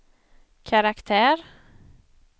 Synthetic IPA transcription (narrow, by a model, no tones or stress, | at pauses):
kʰaɾakt̪ʰæːɾ